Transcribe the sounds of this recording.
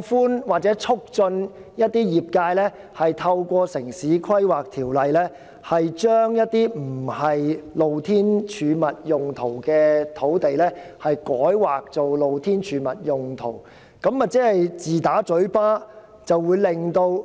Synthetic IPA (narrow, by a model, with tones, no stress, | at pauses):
fuː˥nwaː˨˩k̚t͡sɛː˨˥t͡ʃʰʊ˥k̚t͡sɵ˧njɐ˥t̚t̪iː˥jiː˨p̚kaː˧jlɛː˥ | hɐ˨jt̪ʰɐ˧wkʷɔː˧sɪ˨˩ŋsiː˨˥kʰɐ˥jwaː˨k̚t̪ʰiː˨˩wlɐ˨jlɛː˥ | hɐ˨jt͡ʃœː˥ŋjɐ˥t̚t̪iː˥m̩˨˩hɐ˨jlo˨wt̪ʰiː˥nt͡ʃʰyː˨˧mɐ˨t̚jʊ˨ŋt̪ʰo˨˩wkɛː˧t̪ʰo˨˥wt̪e˨jlɛː˥ | hɐ˨jkɔː˨˥jwaː˨k̚t͡so˨wlo˨wt̪ʰiː˥nt͡ʃʰyː˨˧mɐ˨t̚jʊ˨ŋt̪ʰo̰˨˩w | kɐ˨˥mwaː˨k̚t͡sɛː˨˥hɐ˨jt͡siː˨t̪aː˨˥t͡sɵ˨˥ɥpaː˥ | t͡sɐ˨wːuː˨˧jlɪ˨ŋt̪o˧w